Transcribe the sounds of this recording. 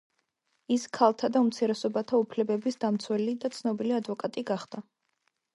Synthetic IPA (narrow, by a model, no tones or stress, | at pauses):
iskʰalˠt̪ʰad̪aumt̪sʰiɾɛsɔbat̪ʰaupʰlɛbɛbisd̪amt̪sʰwɛlid̪at̪sʰnɔbiliad̪vɔkʼat̪ʼiɡaχd̪a